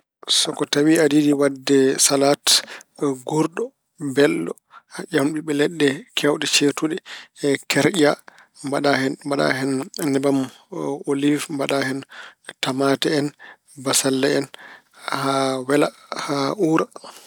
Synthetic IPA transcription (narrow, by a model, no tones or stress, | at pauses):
sɔkɔtawiadidiwadːɛsalat | ɡuɾɗɔ | bɛlːɔ | haʔamɗuɓɛlɛɗːɛkʰɛwɗɛt͡ʃetuɗɛkɛɾʔa | mbaɗahɛnbaɗa̰hɛnnɛbam | olifmbaɗahɛntamaːtɛɛn | basalːɛɛn | hawɛlahaʔuːɾa